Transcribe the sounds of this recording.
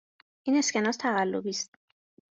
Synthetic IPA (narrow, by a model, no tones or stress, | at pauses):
ʔiːne̞scenɒːst̪ʰæɣælːobiːst̪̚